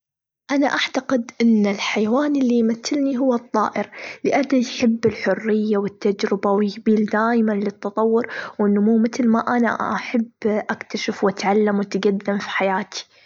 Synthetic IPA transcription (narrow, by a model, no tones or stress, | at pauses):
ʔanaʔaʕt̪aqɪd̪ʔɪnːɪlħajwaːnɪlːijmaθːɪlniɦʊwːɑt̪ˤːɑːʔɪɾlɪʔad̪ajħɪbːɪlħʊrːɪjːawɪt̪ːad͡ʒɾɪbawjɪkbiːld̪aːjmanlɪt̪ːɑt̪ˤɑwːʊɾwʔɪnːmuːmɪt̪lmaʔana̰ʔaħabːʔakt̪aʃɪfwʔat̪ʕalːamwɪt̪ɡad̪ːɪmfi̥ħajaːt̪i̥